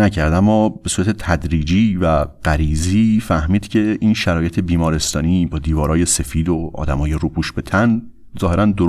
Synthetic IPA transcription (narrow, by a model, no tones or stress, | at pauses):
æcʰæɾd̪æmːɒːbe̞suːɾæt̪ʰe̞t̪ʰæd̪ɾiːd͡ʒiːvæɡɢ̥æɾiːziːfæhmiːd̪̥cʰe̞ʔiːnʃæɾɒːjet̪ʰe̞biːmɒːɾe̞st̪ɒːniːbɒːd̪iːvɒːɾɒːje̞se̞fiːd̪oɒ̰ːd̪æmɒːjeɾuːbʰuːʃb̥e̞t̪ʰæn | zɒːhe̞ɾænd̪o